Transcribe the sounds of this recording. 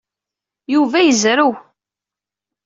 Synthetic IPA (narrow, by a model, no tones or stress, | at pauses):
juvæjəzɾuw